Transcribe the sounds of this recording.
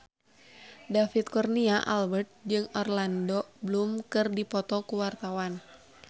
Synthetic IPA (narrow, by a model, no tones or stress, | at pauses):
dafit̪̚kɔrniaʔalbɛrt̪̚d͡ʒɨŋɔrlandɔblumkɨrdipɔt̪ɔkuwart̪awan